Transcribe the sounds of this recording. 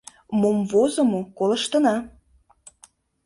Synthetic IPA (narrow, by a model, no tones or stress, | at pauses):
momvozəmokoləʃt̪ə̆nɑ